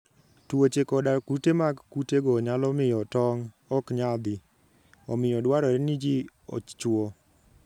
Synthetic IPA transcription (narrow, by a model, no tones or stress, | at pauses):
twot͡ʃekɔdakutemaɡkuteɡɔɲalɔmɪjɔtɔŋ | ɔkɲad̪ɪ | ɔmɪjɔdwaɾɔɾɛnid͡ʒiɔ̰t͡ʃwo